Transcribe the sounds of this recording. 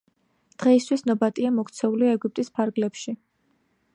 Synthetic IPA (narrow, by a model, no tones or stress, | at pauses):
d̪̥ʁɛist̪ʰwisnɔbat̪ʼiamɔkʰʼt̪sʰɛuliɛɡup̚t̪ʼispʰaɾɡlɛpʃi